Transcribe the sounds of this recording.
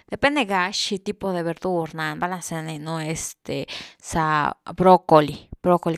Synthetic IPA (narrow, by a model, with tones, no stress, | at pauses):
d̪̥e˨pe˦nd̪e˧ɡa˧ʃi˧t̪i˦po˧ðe˨βe˨ɾd̪u˦ɾnã˨nba˦la˧se˧ne˧nõ˧e˧st̪e˨sabɾo˦ko˨li˨bɾo˦ko˧˨li